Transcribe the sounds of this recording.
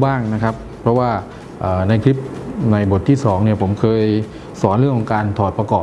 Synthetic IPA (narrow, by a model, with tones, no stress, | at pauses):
baː˥˩ŋna˦˥kʰa˦˥pʰɾɔ˦˥waː˥˩ | ʔaː˨˩na˧jkʰli˦˥p̚na˧jbo˨˩t̪ʰːiː˥˩sɔː˩˦ŋni˥˩ɐpʰo˩˦mkʰɤː˧j | sɔː˩˦nɾɯ˥˩əŋʰkːɔ˨˦ŋkaː˧nt̪ʰɔː˨˩t̪̚pa˧kɔː˨˩